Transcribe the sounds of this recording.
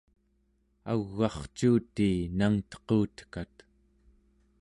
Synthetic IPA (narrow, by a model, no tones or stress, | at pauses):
a̰ɣːɑχt͡ʃuːt̪iːnaŋt̪ʌ̥quːt̪ə̥kat̪